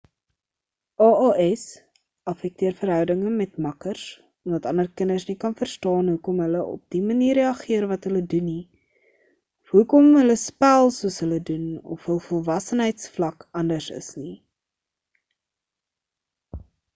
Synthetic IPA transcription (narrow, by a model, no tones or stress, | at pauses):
ʔɑːʔɑːʔɛs | ɐfɛk̚tiərfərɦœwdəŋəmɛtmɐkərs | ɔmdɐtɐndərkənərsnikɐnfərstɑːnɦukɔmɦələʔɔ̰p̚diməniːreɐχiərvɐtɦələduni | ɦukɔmɦələspælˠsuəsɦələdunɔ̰fɦəlˠfɔlˠvɐsənɦəjtsflɐkɐndərsə̰sni